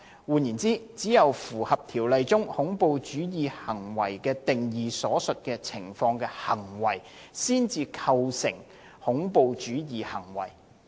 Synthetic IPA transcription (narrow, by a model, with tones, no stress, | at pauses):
wuː˨˧njiː˨˩nt͡siː˥t͡siː˨˥jɐ˨wfuː˨˩hɐ˨p̚t̪ʰiː˨˩wlɐ˨jt͡sʊ˥ŋhʊ˨˥ŋpo˨˧wt͡ʃyː˨˥jiː˨hɐ˨˩ŋwɐ˨˩jkɛː˧t̪ɪ˨˩ŋjiː˨sɔː˨˥sɵ˨t̚kɛː˧t͡sʰɪ˨˩ŋfɔː˧ŋkɛː˧hɐ˨˩ŋwɐ˨˩j | siː˥nt͡siː˧kʰɐ˧wsɪ̰˨˩ŋ | hʊ˨˥ŋpo˨˧wt͡ʃyː˨˥jiː˨hɐ˨˩ŋwɐ̰˨˩j